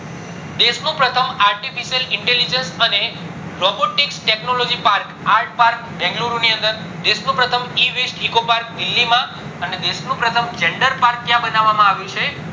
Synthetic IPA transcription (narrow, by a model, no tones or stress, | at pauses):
d̪eʃnũpɾət̪ʰəmaɾʈifiʃijəlɪɳʈelid͡ʒənsəne | ɾɔboʈiksʈeknolod͡ʒipaɾkaɾʈ̚paɾk̚bɛ̃ŋɡluɾuniənd̪əɾ | d̪eʃnũpɾət̪ʰəmiʋesʈikopaɾk̚d̪ilːimã | əned̪eʃnũpɾət̪ʰəmd͡ʒeɳɖəɾpaɾk̪̚ːjãbənaʋːamãaʋjũt͡ʃʰe